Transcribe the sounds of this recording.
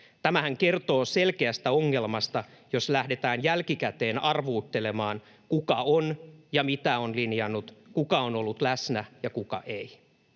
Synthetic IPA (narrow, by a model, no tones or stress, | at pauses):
t̪æmæhæŋke̞rt̪o̞ːse̞lkeæst̪æoŋːe̞lmɑst̪ɑjo̞slæhde̞t̪æːnjælkikæt̪e̞ːnɑrʋuːt̪ːe̞le̞mɑːn | kukɑonjɑmit̪æo̞nlinjɑnːut̪kukɑono̞lːut̪læsnæjɑkukɑ̰ʔei